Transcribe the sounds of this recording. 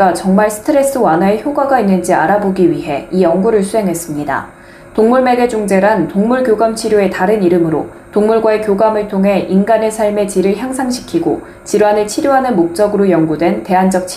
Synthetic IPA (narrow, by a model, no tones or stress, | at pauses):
at͡ɕʌŋmaɭsʰɯ̥tʰɯɾe̞s͈ɯwanɦaeçjoɡwaɡainːɯnd͡ʑiaɾaboɡiɥiɦe̞ijʌŋɡuɾɯɭsʰuɦe̞ŋɦe̞s͈ɯmɲida̰ | toŋmuɭme̞ɡe̞d͡ʑuŋd͡ʑe̞ɾantoŋmuɭɡjoɡamt͡ɕʰiɾjoe̞taɾɯniɾɯmɯɾo̰ | toŋmuɭɡwae̞kjoɡamɯɭtʰoŋɦe̞ʔinɡane̞sʰaɭme̞t͡ɕiɾɯɭçjaŋsʰaŋɕʰi̥kʰiɡo̰ | t͡ɕiɾwɦanɯɭt͡ɕʰiɾjoɦanɯnmok̚t͡ɕ͈ʌɡɯɾojʌŋɡudwe̞nte̞ɦand͡ʑʌk̚t͡ɕʰ